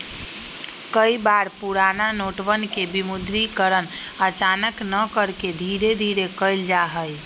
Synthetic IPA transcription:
kəibaɾpuɾananoʈbənkebimud̪ɾikəɾənət͡ʃanəknəkəɾked̪ʱiɾed̪ʱiɾekəjld͡ʒaɦəj

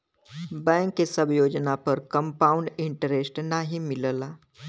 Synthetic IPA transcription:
bɛ̃ŋkːesəbjoːd͡ʒnapəɾkəmpaːuɳɖɪɳʈəɾesʈnaɦimɪlla

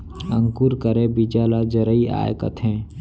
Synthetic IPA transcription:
ə̰̃ŋkuːɾkəɾebid͡ʒaːlad͡ʒəɾəia̰ːjkə̰t̪ʰɦɛ̃ː

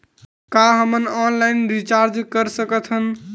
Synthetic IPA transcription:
kaɦəmənɔnlaɪnɾit͡ʃaɾd͡ʒkəɾsəkət̪ʰɦən

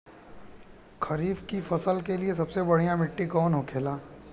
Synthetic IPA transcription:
kʰɐɾiːfkifɐsəlkelies̬ɐbsebɐɽ̤ijãmɪʈːikɔːnɦokʰeːlaː

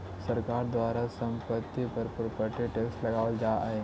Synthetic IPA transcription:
səɾkaɾd̪ʋaɾasəmpət̪ːipəɾpɾopəʈiʈeksʈləɡaʋəld͡zaaɦe

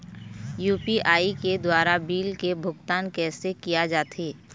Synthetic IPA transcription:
juːpiʔaːiked̪waːɾabiːlkebʱʊɡt̪aːnkɛːsekijad͡ʒaːt̪ʰeː

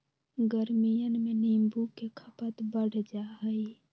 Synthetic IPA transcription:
ɡəɾmijənmenimbukekʰəpət̪bəɽd͡ʒaɦəj

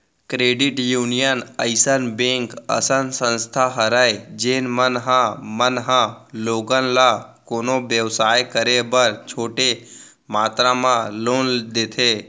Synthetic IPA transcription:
kɾeːɖɪʈjuːnijənəɪsənbẽːŋkə̰sənsə̃nst̪ʰaɦəɾəjd͡ʒeːnmənɦãmənɦãloːɡənlakoːnobjəʋsaːjkəɾebəɾt͡ʃʰoːʈe | maːt̪ɾamãloːnd̪eːt̪ʰeː

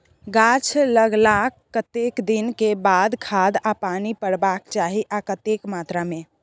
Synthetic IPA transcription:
ɡat͡ʃʰləɡlakːət̪ekd̪inkebad̪kʰad̪apanipəɽbakt͡ʃaɦiʔakət̪ekmat̪ɾamẽ

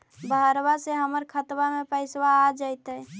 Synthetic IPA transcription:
bʱəəɾbaseɦəməɾkʰət̪bamepəɪswaːd͡ʒəjt̪ə

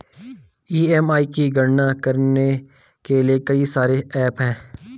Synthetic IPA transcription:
iːɛmaːikiɡəɾnakəɾne | keliekɐisaːɾeɛːpɦɛ̃ː

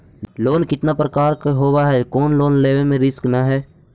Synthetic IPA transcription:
loːnkɪt̪napɾəkaːɾkɦoːwaɦɛkɔːnloːnleːʋemẽɾɪsknaɦɛː

